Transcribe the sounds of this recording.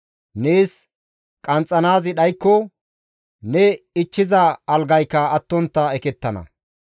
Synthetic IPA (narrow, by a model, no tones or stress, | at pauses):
ne̞ːs | kʼɐnt͡sʼːɐnaːzɪɗɐjkːɔ | nɛɪt͡ʃːɪzɐɐlɡɐjkːɐɐt̪ːɔnt̪ːɐɛkɛt̪ːɐnɐ̰